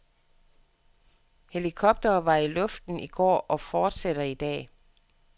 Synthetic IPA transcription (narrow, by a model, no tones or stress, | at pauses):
he̝likʰɒ̽b̥̚d̥ɐːʋɑ̈ilɔ̽fd̥n̩iɡ̥ɒ̰ːʔɒ̽fɒːd̥seɾ̥ɐid̥ɛ̰ː